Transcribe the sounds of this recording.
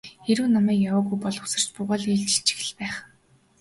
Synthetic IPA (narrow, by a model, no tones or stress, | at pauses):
eɾuːnamæːkjawaːɣujpɔɮʊsə̆r̥t͡ɕpʊʁaːɮiːɮt͡ɕɪ̥ɬt͡ɕʰi̥xɘ̆ɮpæːχ